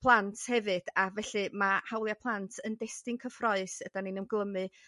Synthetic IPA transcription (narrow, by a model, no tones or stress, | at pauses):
pʰlˠantʰhɛvɨd̥avɛɬɨmahawlˠjapʰlˠantʰəndɛstɪŋkʰəfrɔɨsəd̥aninəmɡlˠəmɨ